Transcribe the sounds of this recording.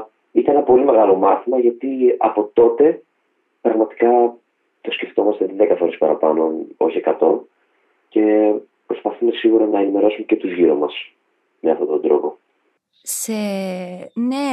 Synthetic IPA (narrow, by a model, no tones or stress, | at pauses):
it̪ɐnenɐpo̞lime̞ɣɐlo̞mɐθimɐʝɐt̪iɐ̰po̞t̪o̞t̪e̞ | pɾɐɣmɐt̪i̥kɐ | t̪o̞sce̞ft̪o̞mɐst̪e̞ðekɐfo̞ɾe̞spɐɾɐpɐno̞no̞çie̞kɐt̪o̞n | ce̞ | pɾo̞spɐθume̞siɣuɾɐnɐe̞nime̞ɾo̞sumecet̪uzʝiɾomɐs | me̞ɐft̪o̞t̪o̞nd̪ɾo̞̰po̞ | se | ne